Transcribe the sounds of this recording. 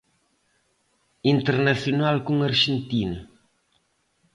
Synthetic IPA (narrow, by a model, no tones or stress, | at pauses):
int̪eɾnaθjonalkuŋaɾʒent̪inɐ